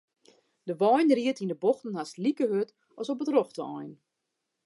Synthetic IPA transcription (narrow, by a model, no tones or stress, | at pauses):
d̥əʋɔjnriətindəboxtən̩hastlikəhøt | ɔsopətroxtəɔjn